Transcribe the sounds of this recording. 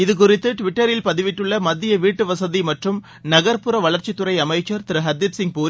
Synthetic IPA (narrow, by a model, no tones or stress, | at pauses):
ɪðɯk̬ʊrɪt̪ːɯʈɪʋɪʈːɐɾɪlpɐðɯʋɪʈːɯɭːɐmɐðːɪjɐʋiːʈːɯʋɐsɐðimɐʈrɯm | nɐɣɐɾpʊɾɐʋɐɭɐɾt͡ʃːɪt̪ːʊrɐɪɐmɐɪt͡ʃːɐɾt̪ɪɾɯɦɐd̪ɪpsɪŋɡ̚puːɾ